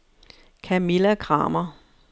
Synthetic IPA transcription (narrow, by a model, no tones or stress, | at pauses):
kʰæmilækʰʁɑ̰̈ːmɐ